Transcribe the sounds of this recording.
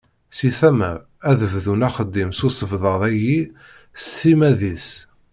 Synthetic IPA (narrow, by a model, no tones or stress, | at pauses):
siθæməɾ | æðəvðunæχəd̪ːimsusəvðəðˤæji | sθimæðis